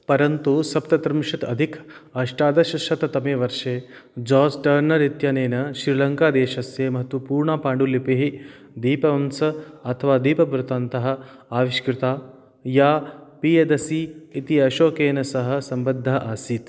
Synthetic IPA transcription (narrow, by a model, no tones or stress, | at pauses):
pɐɾɐnt̪usɐpt̪ɐt̪ɾɐmʂɐt̪ɐ̰d̪ʱikʰɐːʂʈaːd̪ɐʃɐʃɐt̪ɐt̪ɐmeːʋɐɾʂeːd͡ʒɔːsʈɐːɾnɐɾit̪jɐneːnɐʃɾilɐŋkaːd̪eːʃɐsjeːmɐɦɐt̪ʋɐpuːɾɳaːpaːɳɖulipiɦi | d̪iːpɐʋɐmsɐɐt̪ʰɐʋaːd̪iːpɐbɾut̪aːnt̪ɐɦɐ̆ | aːʋiʃkɾɪt̪aː | jaːpijed̪ɐsiːt̪iɐʃoːkeːnɐsɐɦɐ̆sɐmbɐd̪ʱːaːʔaːsiːt̪